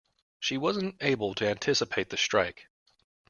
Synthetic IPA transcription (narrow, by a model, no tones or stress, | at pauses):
ʃiwʌzɨ̃n̩teɪbl̩ˠtʰɨæ̃ntʰɪsɨpʰeɪt̪̚ðɨstɹ̥aɪk